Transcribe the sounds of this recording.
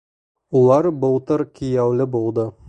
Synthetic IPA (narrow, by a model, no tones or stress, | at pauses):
ulˠɑɾbŏlˠt̪ɤɾkijæwlɘbulˠd̪ɤ